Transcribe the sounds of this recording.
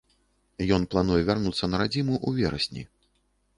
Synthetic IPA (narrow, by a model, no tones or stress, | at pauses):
jɔnplˠanujɛvʲarnut̪sːɐnɐɾad͡zʲimuʔuvʲɛɾɐ̰sʲnʲḭ